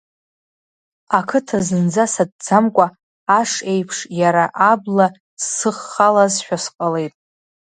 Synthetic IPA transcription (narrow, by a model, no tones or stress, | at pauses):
akʰɨtʰazɨnd͡zasad̚d͡zamkʷʼaː | ʂe̞jpʰʂjaɾaʔabla | sːɨχːalazʃᶣasqʼale̞jtʼ